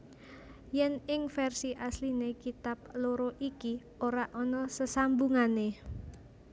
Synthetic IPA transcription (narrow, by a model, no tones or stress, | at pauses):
jɛnɪŋfɛrsiʔaslinekit̪ap̚loɾoʔiki | oɾaʔɔnɔsəsambuŋane